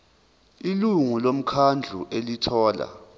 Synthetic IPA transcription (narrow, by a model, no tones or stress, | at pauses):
iluŋulom̩kʰand͡ɮʱuʔelitʰɔːla̰